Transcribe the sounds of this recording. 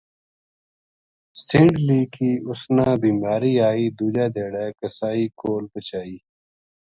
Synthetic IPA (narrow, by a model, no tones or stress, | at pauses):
sɪ̃ɳɖliːkiːʊsnãːbiːmaːɾiːaːiːd̪uːd͡ʒaːd̪eːɽaːkəsaːiːkoːlpət͡ɕaːiː